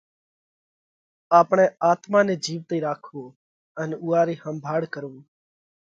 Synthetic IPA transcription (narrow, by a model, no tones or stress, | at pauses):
aːpɳ̃ẽːaːt̪mãːneːd͡ʒiːʋt̪iːɾaːkʰũː | ənuːaːɾiːhəmbʱaːɽkəɾũː